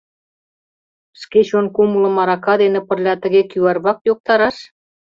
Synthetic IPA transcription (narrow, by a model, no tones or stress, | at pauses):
sket͡ɕonkumulɤ̆mɑɾɑkɑd̪enĕpə̆rlʲɑt̪ə̆ɣekyɑrβɑkjok̚t̪ɑɾɑʃ